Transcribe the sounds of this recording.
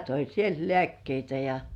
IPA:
toi sielt lĕæˑkːeitæ jɑ

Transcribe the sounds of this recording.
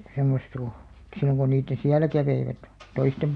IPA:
semːost ko̥ silːoŋ ko niːtːẽː siælæ kæʋeiʋæt toistem

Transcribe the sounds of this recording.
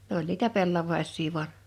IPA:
nĕ olʲ niːtæ pelːɑʋɑisˑiː ʋu̞ɑn

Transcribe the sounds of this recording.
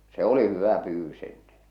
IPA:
se oli hyʋæ pyːʋːys enːẽː

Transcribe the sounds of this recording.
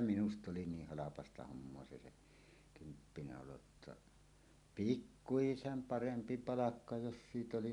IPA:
minust oli niːh hɑlɑpɑstɑ homːoɑ se se kympːinæ oloə̆tːɑ pikːuisem pɑrempi pɑlɑkːɑ jos siːt oli

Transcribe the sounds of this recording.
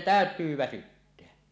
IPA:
tæˑøtˑyː ʋæsytːeæ

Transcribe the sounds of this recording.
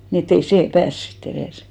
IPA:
ni etː ei seː pæːs sitː ereˑs

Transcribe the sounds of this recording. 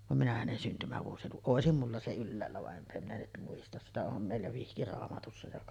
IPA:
ʋɑm minæ hænen syntymæʋuosilukuʔ ʔoˑesim mulːɑ se ylːæːlːæ ʋɑʔ ʔempæ minæ nyt muistɑs sitæ om meˑilːæ ʋihkirɑːmɑtusːɑ jɑ

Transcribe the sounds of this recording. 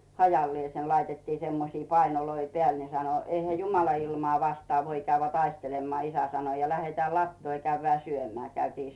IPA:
hɑjɑlːĭeˑsen lɑitetːiː semːosiː pɑinoloi peæˑl ne sɑno eihæ jumɑlɑ ilmŏɑˑ ʋɑstŏɑˑ ʋoi kæyʋːĕæˑ tɑistelemːŏɑˑ isæ sɑno jɑ læheteæˑ lɑtːoː jɑ kæyʋːĕæˑ syømeæˑ kæytiː

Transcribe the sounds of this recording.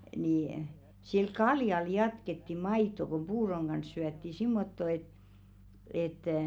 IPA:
ni sil kɑljɑl jɑtketːi mɑitˑo kum̆ puːroŋ ɡ̊ɑns syætːi simːotːo et etˑæˑ

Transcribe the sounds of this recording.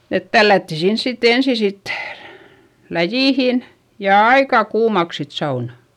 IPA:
et tælːætːi sins sitː ensi sit læjiˑhin jɑ ɑikɑˑ kuːmɑks sit sɑunɑ̥

